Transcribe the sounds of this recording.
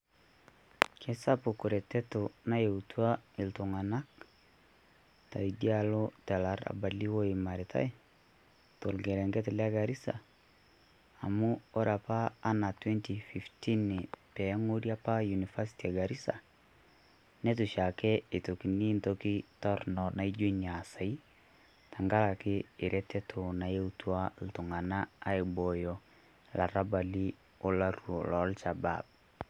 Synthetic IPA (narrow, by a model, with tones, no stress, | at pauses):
ke˦sa˦pu˨ku˨ɾe˨te˦to˨na˦je˨utua˦i˨lto˨ŋa˨na˦k | ta˨idi˦alo˦tɛ˨la˨ɾa̰˨ba˨li˦wo˦i˨ma˨ɾi˨tʰa̰˦j | to˨lɡe˨ɾe˨ŋɡe˦tela˦ɡa˨ɾi˦sa̰˨ | mu˦o˦ɾa˨paː˦na˨twe˦nti˨fi˨fti˦ni˨pɛ˨˦ŋo˦ɾja˦pa˦ju˨ni˨fa˦si̥tia˨ɡa˨ɾi˦sa̰˨ | nɛ˦tu˨ʃa˨kɛ˦e˨to˨ki˨ni˦ntoki˦tɔ˦rnɔ˨na˨id͡ʒe˦ɲa˨sa˨i˦ | tʰa˨ŋɡa˦la˨kɪː˦˨ɾʔɛ˦tɛ˦tʰo˨na˨e˦utwa˦l̩˨tʊ˨ŋa˨naː˦e˨bɔ˨jɔ | la˨ɾa˦ba˨li˦ | o˦la˦ɾuɔ˨lɔ˨lʃa˨ba̰b̚